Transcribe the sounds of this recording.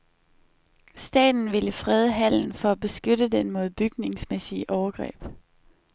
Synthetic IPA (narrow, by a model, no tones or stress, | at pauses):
sd̥ɛ̰ːd̥n̩ʋiləfʁɛð̞ˠəɦæl̰n̩fɒ̽æb̥e̝sɡ̥ødəd̥enmo̝ð̞̩ˠb̥yɡ̥ne̝ŋsmesiəʔɒʊɐɡ̥ʁɛ̰ːb̥